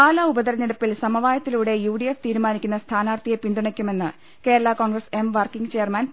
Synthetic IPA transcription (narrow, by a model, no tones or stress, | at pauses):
aːlɐubɐd̪ɐɾɐneɽɐpːilsɐmɐʋaːjɐt̪ːiluːɽe̞juːɽieft̪iːɾumaːnikʲːunːɐst̪ʰaːnaːrt̪ijɐpind̪uɳɐkʲːume̞nːɨ | ke̞ːɾɐɭako̞ːɳɡrɐse̞mʋɐrkiŋɡɨt͡ɕe̞ːɐrmɐn